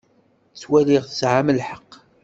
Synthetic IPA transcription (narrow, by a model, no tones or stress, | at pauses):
t͡sːwælɪʁθəsʕaməlħəqː